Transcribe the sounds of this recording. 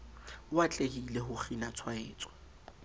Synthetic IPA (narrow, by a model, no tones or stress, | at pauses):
wat͡ɬʼekileɦʊχinat͡sʰwaeːt͡sʼwɛ̥